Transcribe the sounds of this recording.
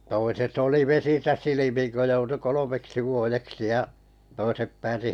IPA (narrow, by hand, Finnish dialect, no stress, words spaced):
toiset oli ʋesisæ silimiŋ kø joutu kolomeksi ʋuojeksi jɑ toisep pæːsi